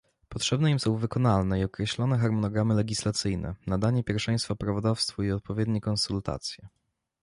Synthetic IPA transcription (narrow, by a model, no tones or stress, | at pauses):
pɔtʂɛbnɛimsɔ̃w̃vɘkɔnalnɛiɔkɾɛɕlɔnɛxaɾmɔnɔɡɾamɘlɛɡʲislat̪sɘjnɛ̰nad̪aɲɛpʲjɛɾfʂɛ̃j̃st̪fapɾavɔd̪afst̪fuiɔt̪̚pɔvʲjɛd̪ɲɛkɔnsult̪a̰t̪sʲjɛ